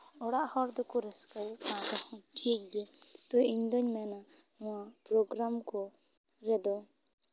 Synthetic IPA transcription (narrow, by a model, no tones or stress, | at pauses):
ɔɽaʔhɔɾd̪ɔkɔɾɛskakãd̪ɔhɔ̃ʈʰik̚dɛt̪ɔiɲd̪ɔɲmɛna | ʊ̃apɾɔɡɾamkɔ | ɾɛd̪ɔ